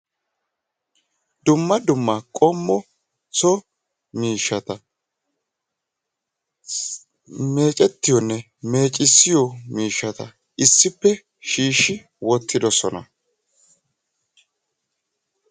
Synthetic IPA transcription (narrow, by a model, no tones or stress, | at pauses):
d̪ʊmːɐd̪ʊmːɐkʼɔmːɔ | t͡sɔ | miːʃːɐt̪ɐ | me̞ːt͡ʃʼɛt̪ːɪjɔnːɛ | me̞ːt͡ʃʼɪsːɪjɔmiːʃːɐt̪ɐ | ʔɪsːɪpːɛ | ʃiːʃːɪ | wɔt̪ːɪd̪ɔsɔnɐ̰